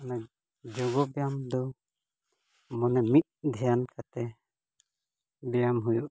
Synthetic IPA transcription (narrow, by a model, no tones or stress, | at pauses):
ɔna | d͡ʒɔɡɔbɛjamd̪ɔ | mɔnɛmit̪̚d̪ʱɛjankat̪ɛ | bɛjamɦujuʔ